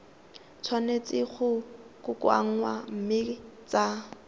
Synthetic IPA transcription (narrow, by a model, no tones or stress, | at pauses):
t͡sʰwanet͡sʼɪχʊkʼʊkwa̰ŋ̩wam̩mɪt͡sa